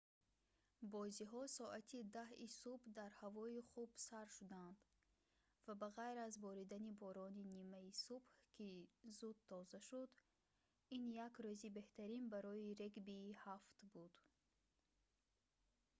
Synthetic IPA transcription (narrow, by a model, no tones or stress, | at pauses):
bɔziɦɔsɔʔat̪ʰid̪ahisubhd̪aɾhavɔiχubsaɾʃud̪and̪ | vabaʁajɾazbɔɾid̪anibɔɾɔninimaisubhkʰizud̪t̪ʰɔzaʃud̪ | injakɾøzibe̞ht̪ʰaɾinbaɾɔiɾeɡbiːhaft̪bud̪